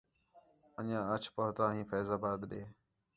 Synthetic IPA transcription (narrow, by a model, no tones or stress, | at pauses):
əɲãːət͡ʃʰpəɦt̪aːɦĩːpʰəzaːbaːt̪ɗeː